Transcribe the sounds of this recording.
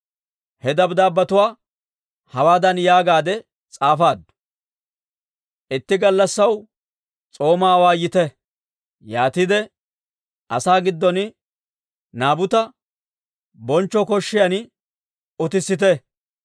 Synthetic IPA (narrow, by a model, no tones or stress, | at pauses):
hɛd̪ɐbd̪aːbːɐt̪ʊwaː | hɐwaːd̪ɐnjaːɡaːd̪ɛ | t͡sʼaːfaːd̪ːʊ̥ | ʔɪt̪ːɪɡɐlːɐsːɐw | t͡sʼo̞ːmaːwaːjɪt̪ɛ | jaːt̪ɪd̪ɛ | ʔɐsaːɡɪd̪ːɔnɪ | naːbʊt̪ɐ | bɔnt͡ʃːɔkɔʃːɪjɐn | ʊt̪ɪsːɪt̪̬ɛ